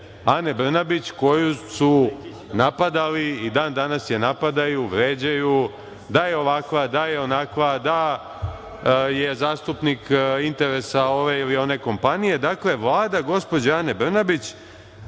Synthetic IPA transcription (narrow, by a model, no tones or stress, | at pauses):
ane̞br̩nabit͡ɕko̞jusu | napad̪aliid̪aːnd̪anasjenapad̪ajuʋɾe̞ːd͡ʑaju | d̪ajeo̞ʋakʋad̪aje̞o̞nakʋad̪a | je̞zaːst̪upnikint̪e̞ɾe̞sao̞ʋe̞ilio̞ne̞ko̞mpanije̞d̪akle̞ʋlˠaːd̪aɡo̞spo̞d͡ʑaane̞br̩nabit͡ɕ